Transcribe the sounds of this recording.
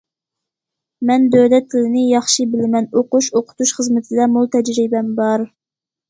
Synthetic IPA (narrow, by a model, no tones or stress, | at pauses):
mɛnd̪ølɛt̪ʰːɪlɪnɪjɑχʃibɪlɪmɛnoquʃoqʰʊ̥t̪uʃχəzmɪt̪ʰɪd̪ɛmulˠt̪ʰɛd͡ʒɾibɛmbɑɾ